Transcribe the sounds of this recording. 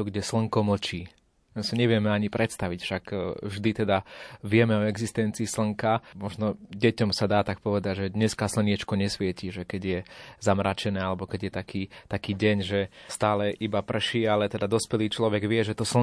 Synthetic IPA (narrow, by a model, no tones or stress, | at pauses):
uɡɟɛsl̩ŋkɔml̩t͡ʃiː | asiɲɛʋɪɛmɛaɲipɾɛt̪st̪aʋicfʃakvʒd̪it̪ɛd̪aʋɪɛmɛɔɛɡzist̪ɛnt͡siːsl̩ŋkamɔʒnɔɟɛcɔmsad̪aːt̪ak̚pɔʋɛd̪aɟʒɛd̪ɲɛskasl̩ɲɪɛt͡ʃkɔɲɛsʋɪɛciʒɛkɛɟjɛzamɾaːt͡ʃɛnɛːalɛbɔkɛɟjɛt̪akʰiːt̪akiːɟɛɲʒɛst̪aːlɛʔibapr̩ʃiːalɛt̪ɛd̪ad̪ɔspɛliːt͡ʃlɔʋɛɡʋɪɛʒɛt̪ɔsl̩